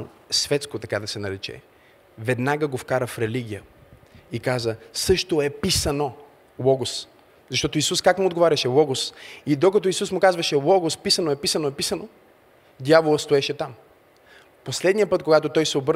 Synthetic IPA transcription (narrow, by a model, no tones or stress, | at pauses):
svɛt̪skot̪ɐkad̪ɐsɛnɐɾɛt͡ʃɛ̰ | vɛd̪naɡəɡofkaɾəfɾɛliɡ̟ʲijəikazəsɤʃt̪oɛpisɐno | lˠɔɡʊs | zɐʃt̪ɔt̪oisuskakmʊod̪ɡovaɾʲɐʃɛlˠɔɡʊsid̪okɐt̪ɔisusmʊkazvɐʃɛlˠɔɡʊspisɐnoɛpisɐnoɛpisɐno | d̪javolˠəst̪oɛʃɛt̪am | poslɛd̪nijəpɤt̪̚koɡat̪ot̪ɔjsɛobɤɾ